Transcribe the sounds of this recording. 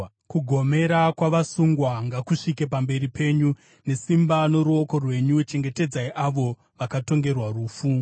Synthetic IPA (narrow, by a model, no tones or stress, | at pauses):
kuɡʱo̞me̞ɾakwaʋasuŋɡwaŋɡakuʂikepambe̞ɾipʰe̞ːɲu | ne̞simbano̞ɾuo̞ko̞rwe̞ɲut͡ʃe̞ŋɡe̞te̞d͡zaiʔaʋo̞ | ʋakato̞ŋɡe̞rwaruːfu